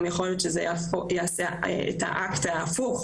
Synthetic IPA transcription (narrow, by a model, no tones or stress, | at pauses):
mjaχolot̪ʃezeaojaaseḛta̰ʔaktaːfuχ